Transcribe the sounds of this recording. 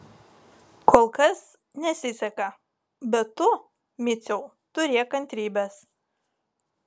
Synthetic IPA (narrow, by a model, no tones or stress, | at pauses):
koːlˠkɐs | nʲɛsʲɪsʲɛkɐ | bʲɛt̪ːʊ | mʲɪt̪sʲɛʊ | t̪ʊɾʲeɛkɐnʲt̪ʲɾʲiːbʲɛs